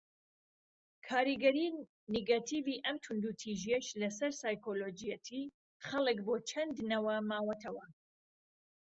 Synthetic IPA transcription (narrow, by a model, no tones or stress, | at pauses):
kʰaːɾiɡɐɾiː | neɡat̪ʰiviʔɐmt̪ʰʊnd̪ut̪ʰiʒijɛʃlɐsɐɾsaːjkoloːd͡ʒijɐt̪ʰi | χɐlˠɨkbot͡ʃʰɐnd̪nɐwɐmaːwɐt̪ʰɐwɐ